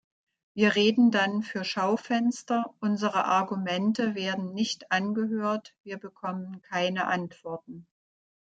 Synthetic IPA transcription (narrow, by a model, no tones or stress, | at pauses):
v̥iːɐʁeːdn̩danfyːɐʃaʊfɛnstɐʔʊnzəʁəʔaɐɡumɛntəveːɐdn̩nɪçtʔanɡəɦøːɐtv̥iːɐbəkʰɔmənkʰaɪnəʔantv̥ɔɐtn̩